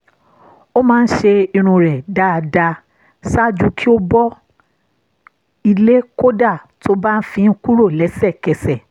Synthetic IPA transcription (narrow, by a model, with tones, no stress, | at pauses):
o˦mãː˦˧˦n̩˦ʃe˧i˧ɾ̃ũ˧ɾɛ˨da˨˧da˧ | sa˦d͡ʒu˦˧kʰi˦o˦bɔ˦ | i˧le˦ko˦da˦˨tʰo˦ba˦n̩˦fĩ˧n̩˦ku˦ɾo˦˨lɛ˨˦sɛ˦˨kɛ˨sɛ˨